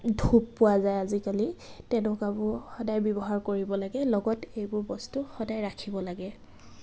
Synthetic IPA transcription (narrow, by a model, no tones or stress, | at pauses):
dʱuppʊwazajazikalitɛnʊkabʊɹxɔdajbjɔbɔɦaɹkoɹibɔlaɡɛlɔɡɔtejbʊɹbɔstuxɔdajɹakʰibɔlaɡɛ